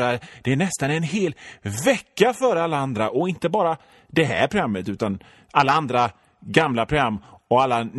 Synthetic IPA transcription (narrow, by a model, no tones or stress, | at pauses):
ɾad̪̥ɛːɳɛst̪anɛnɦeːlvɛkːafœːɾalːaand̪ɾaʔɔɪnt̪əbɑːɾa | d̪ɛɦæ̰ːɾpʰɾʊɡɾamːət̪ʉ̟ːt̪an | alːaand̪ɾa | ɡamlapʰɾʊɡɾamːɔalːa